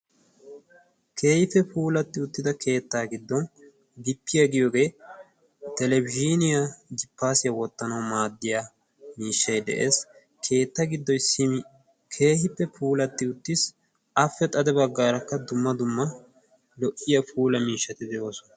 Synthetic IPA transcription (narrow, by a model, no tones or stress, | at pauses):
kʰe̞ːhɪfːɛpuːlɐt̪ːɪʊt̪ːɪd̪ɐkʰe̞ːt̪ːaːɡɪd̪ːɔn | ɡɪpːɪjɐɡɪjoːɡe̞ː | t̪ɛlɛbɪd͡ʒiːnɪjad͡ʒɪpːaːsɪjɐwɔt̪ːɐnɐwmaːd̪ːɪjaː | miːʃːɐjd̪ɛ̰ʔe̞ːs | kʰe̞ːt̪ːaɡɪd̪ːɔjsɪmɪ | kʰe̞ːhɪpːɛpʰuːlɐt̪ːɪʊt̪ːɪs | ɐfːɛt̪ʼɐd̪ɛbɐɡːaːɾɐkːɐd̪ʊmːɐd̪ʊmːɐ | lɔʔɪjɐfuːlɐmiːʃːɐt̪ɪd̪ɛjo̞ːsɔnɐ